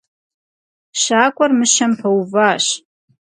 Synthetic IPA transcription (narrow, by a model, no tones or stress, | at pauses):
ʃaːkʷʼɔrmɨʃɐmpʰɐwvaːɕ